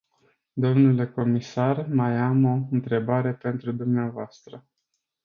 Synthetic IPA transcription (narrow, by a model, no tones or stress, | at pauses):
d̪o̞mnule̞ko̞misarmajamo̞ɨnt̪ɾe̞baɾe̞pe̞nt̪ɾud̪umneavoast̪ɾə